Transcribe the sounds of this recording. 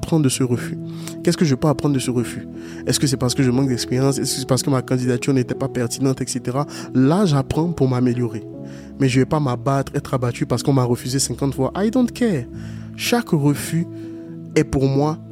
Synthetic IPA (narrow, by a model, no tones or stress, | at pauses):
pχɑ̃d̪əsəʁəfy | kʲɛskəʒəvɛpaapχɑ̃d̪d̪əsəʁəfy | ɛskəs̬ɛpaʁsə̥kəʒəmɑ̃k̚d̪ɛkspeʁjɑ̃sɛskəsɛpaʁsə̥kəmakɑ̃d̪id̪at̪yʁnet̪ɛpapɛʁt̪inɑ̃t̪ɛkset̪eʁalaʒapχɑ̃puʁmameljɔʁe | mɛʒəvɛpamabat̪χɛt̪χabat̪ypaʁsə̥kɔ̃maʁəfyzesɛ̃kɑ̃t̪fwaʔajd̪ɔ̃t̪kɛʁ | ʃakʁəfy | ɛpuʁmwa